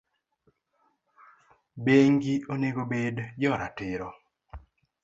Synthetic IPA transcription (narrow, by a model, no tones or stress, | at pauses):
beŋɡioneɡobedd͡ʒɔɾatɪɾɔ